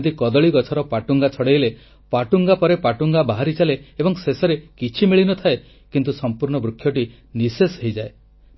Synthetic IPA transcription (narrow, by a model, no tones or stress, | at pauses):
t̪ikɔd̪ɔɭiɡɔt͡ʃʰɔɾɔpaʈuŋɡat͡ʃʰɔɽejle | paʈuŋɡapɔɾepaʈuŋɡabaɦaɾit͡ʃaleebɔŋsesɔɾekit͡ʃʰimiɭinɔt̪ʰae | kint̪usɔmpuɾɳ̃ɔbɾukʰːjɔʈi | nisesɦejd͡ʒae